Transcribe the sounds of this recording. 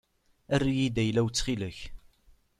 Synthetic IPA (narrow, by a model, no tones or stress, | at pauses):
ærːijid̪æjlæwt͡sːχiləç